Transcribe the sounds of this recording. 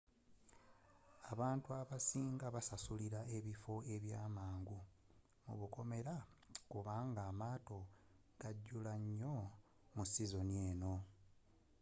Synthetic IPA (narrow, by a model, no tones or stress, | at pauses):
aβaːntuaβasiːŋɡaβasasuliɾaʔe̞βifo̞e̞βjaːmaːŋɡu | mṵβuko̞me̞ɾakuβaːŋɡaːmaːto̞ | ɡ̥aɟːulaɲːo̞ | musizo̞nie̞ːno̞